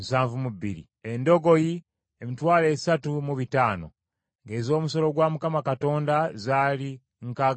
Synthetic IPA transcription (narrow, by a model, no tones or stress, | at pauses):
musaːɱvumuβḭɾḭ | endo̞ɡo̞ji | emitwaːle̞ːsatumuβitaːno̞̰ | ŋɡe̞ːzo̞ːmuso̞lo̞ɡwaːmukamakato̞ːndazaːli | ŋka